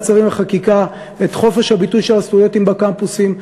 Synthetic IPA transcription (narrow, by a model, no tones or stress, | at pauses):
t͡saʁimveχakika | et̪χo̞fe̞ʃhabitujʃelasfujotimbakampusim